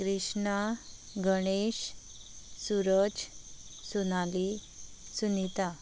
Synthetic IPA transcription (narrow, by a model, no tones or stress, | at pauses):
kɾiʂɳa | ɡəɽ̃eɕ | suɾəd͡ʑsunali | sunit̪a